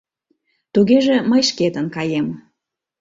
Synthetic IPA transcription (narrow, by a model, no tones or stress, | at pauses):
t̪uɣeʒeməjʃket̪ənkɑjem